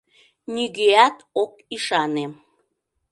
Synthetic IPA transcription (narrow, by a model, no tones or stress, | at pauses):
nʲiɣeæt̪ok̚iʃɑne